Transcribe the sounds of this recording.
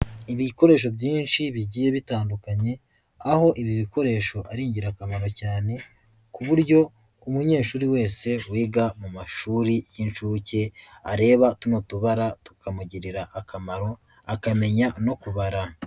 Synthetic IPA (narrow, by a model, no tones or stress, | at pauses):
iβiko̞ɾe̞ːʃ̬o̞bɟiːnʃiβiɟiːje̞βitaːndukaɲe̞ | aho̞ʔiβiβiko̞ɾe̞ːʃo̞ʔaɾiːɲɟiɾakamaɾo̞caːne̞ | kuβuɾɟo̞ | umuɲe̞ːʃuːɾiwe̞ːse̞wiːɡamumaʃuːɾijinʃuːce̞aɾe̞ːβatuno̞tuβaɾatu̥kʰamuɟiɾiɾaʔːkamaɾo̞ | akame̞ɲano̞kuβaɾa